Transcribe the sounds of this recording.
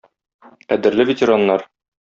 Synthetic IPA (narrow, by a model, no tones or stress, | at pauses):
qæd̪ɘ̆ɾlɘvʲɪtʲɪɾanːɑɾ